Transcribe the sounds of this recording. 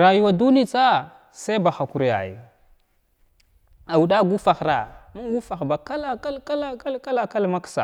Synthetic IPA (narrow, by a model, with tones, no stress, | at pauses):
ɾa˨ju˦wa˨du˦ni˦t͡sa˦ | sa˦ba˨xa˨ku˨ɾja̰˨jṵ˨ | a˨wu˨ɗa˦ɡu˦fa˨xɾa˨ma˦nɡu˦fa˨xba˨ka˦la˦ka˦lka˦la˦ka˦lka˦la˦ka˦lma˦ksa̰˨